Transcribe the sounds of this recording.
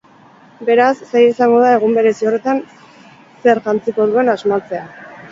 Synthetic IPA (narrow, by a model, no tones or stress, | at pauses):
be̞ɾasːejesaŋɡo̞ðae̞ɣ̞umbe̞ɾe̞sio̞re̞t̪an | se̞ɾʝant͡siko̞ðue̞nazmat͡se̞a